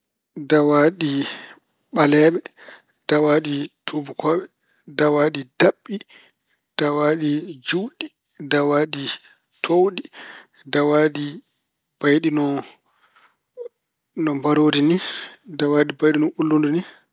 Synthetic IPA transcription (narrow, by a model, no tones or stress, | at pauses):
dawaɗi | ɓalɛɓɛ | d̥awaɗitʰubukʰɔːɓɛ | dawaɗid̥aɓːi | d̥awaɗid͡ʒuwɗi | dawaɗi | tʰowɗi | dawaːɗi | b̥ajɗinɔ | nɔmbaɾoːdinidawaːɗibajɗinɔʔulːunduni